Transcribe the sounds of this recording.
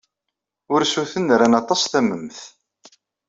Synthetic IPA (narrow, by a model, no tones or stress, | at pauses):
ʊɾsuθənɾænɑt̪ˤɑsθæməmθ